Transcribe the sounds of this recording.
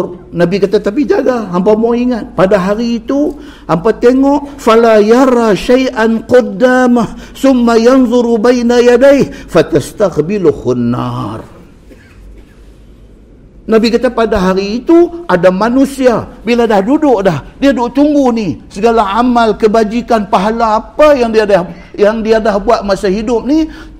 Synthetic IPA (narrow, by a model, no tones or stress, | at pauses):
nabikat̪at̪ap̬id͡ʒaɡaɦampamoiŋat̪̚padaɦaɾiːt̪u | hampat̪eŋɔʔfalajaɾˤaʃajʔanqɔd̪ːaːmaθʊmːajanðˤʊɾubajnajadajhfat̪ast̪aqbɪlhʊnːa̰r | nabikat̪apadaɦaɾiːt̪uʔadamanusiabiladahdudʊʔdahdiadʊʔt̪uŋɡuhnisəɡalaamalkəbad͡ʒikanpaɦalaːpajaŋdiadah | jaŋdiadahbuat̪̚masaɦidʊp̚ni